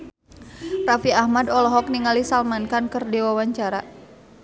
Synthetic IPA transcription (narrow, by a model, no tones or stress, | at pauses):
rafiahmadɔlɔɦɔk̚niŋalisalmankankərdewawaɲt͡ʃaɾa